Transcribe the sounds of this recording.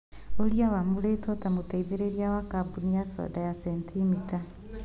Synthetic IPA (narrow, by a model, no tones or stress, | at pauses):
oɾiawamuɾetɔtamotaiðeɾeɾiawakabunijasɔ̰ːdajasɛntʰimita